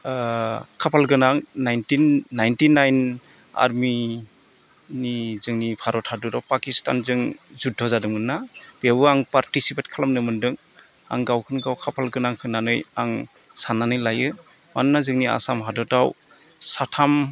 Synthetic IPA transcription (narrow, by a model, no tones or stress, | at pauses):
kʰapʰalɡɯnaŋnajntinːajntinajn | a̰ɾmi | nizɯŋnipʰaɾɔthadɔtawpakista̰nzɯŋzudʰʱɔzadɯmɯnːab̥ewɯaŋpaɾtisipet̚kʰalamnɯmɯndɯŋ | a̰ŋɡawkʰɯnɡawkʰapʰalɡɯnaŋkʰɯnanɯjaŋ | sananɯjlajɯ | mannazɯŋnia̰samɦadɔtaw | satʰam